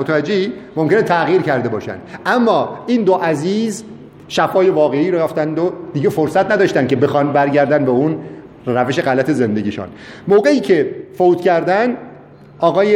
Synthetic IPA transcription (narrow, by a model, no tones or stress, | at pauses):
ot̪ʰævæd͡ʒːeimomkenet̪ʰæɣiːɾcæɾd̪e̞bɒːʃæ̰nd̪ʔæmːɒːʔiːnd̪oʔæziːz | ʃæfɒːje̞vɒːɣe̞iːɾɒjæft̪ænd̪od̪̥iːɟefo̞ɾsæt̪næd̪ɒːʃt̪ænd̪ke̞be̞xɒːnbæɾɟæɾd̪ænd̪beun | ɾæve̞ʃe̞ɣælæt̪ʰe̞ze̞nd̪e̞ɡʲiʃṵn | moːɣe̞iːcʰe̞foːt̪cʰæɾd̪æn | ʔɒːɣɒːje